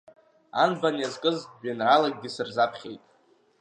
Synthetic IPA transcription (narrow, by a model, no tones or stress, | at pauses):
a̰nbanjazkʼɨzʒanralaɡ̚ʲɡʲɪsɨrzapʰχʲejtʼ